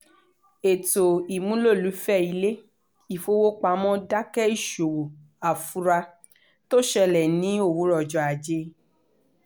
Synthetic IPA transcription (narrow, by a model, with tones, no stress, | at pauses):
e˨to˨i˨mũ˨˦lo˦˨lu˨˦fɛ˦˨i˧le˦ | i˦˨fo˧wo˦k͡pa˧˦mɔ̃˦da˦kɛ˦i˦˨ʃo˨wo˨ | a˨fu˨˦ɾa˧ | to˦ʃɛ˧lɛ˨nĩ˨˦o˦˨wu˨˦ɾɔ˨d͡ʒɔ˨a˨d͡ʒe˧˦